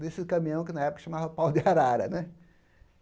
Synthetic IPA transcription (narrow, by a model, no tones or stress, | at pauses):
d̪esɪkɐ̃mĩɐ̃w̃kɪnɐɛpʊkɐ̥ʃɐmavɐpawd̪ɪaɾaɾɐ̰nɛ